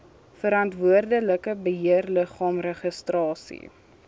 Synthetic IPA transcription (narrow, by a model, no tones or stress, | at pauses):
fəɾɐntvuərdələkəbəɦiərləχɑːmrəχəstrɑːsḭ